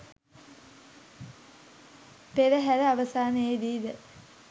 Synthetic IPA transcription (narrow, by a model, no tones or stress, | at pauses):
peləɦæɾəaʋəsaːnəed̪iːd̪ə